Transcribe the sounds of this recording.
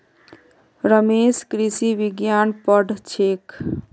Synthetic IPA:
ɾəmeskɾisiʋiɡjanpəɖʱt͡ʃʰek

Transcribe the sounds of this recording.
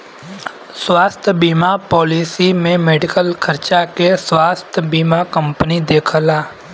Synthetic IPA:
swaːst̪ʰjbiːmapɔːliːsimẽmeːɖɪkəlkʰəɾt͡ʃakeswaːst̪ʰjəbiːmakə̃mpənid̪eːkʰəlaː

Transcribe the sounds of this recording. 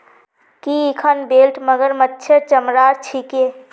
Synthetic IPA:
kiikʰənbelʈməɡəɾmətːʃʰeɾt͡ʃəmɾaːɾt͡ʃʰike

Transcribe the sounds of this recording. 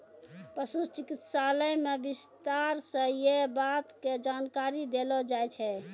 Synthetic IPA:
pəsut͡ʃikit̪saləjmebist̪aɾsə̃jebat̪ked͡ʒankaɾid̪elɔd͡ʒajt͡ʃʰɛ

